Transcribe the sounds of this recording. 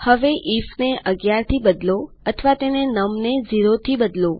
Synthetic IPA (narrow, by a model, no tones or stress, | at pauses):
həʋeʔifneʔəɡjaɾt̪ʰibəd̪lo | ət̪ʰəʋat̪enenəmned͡ʒiɾot̪ʰibəd̪lo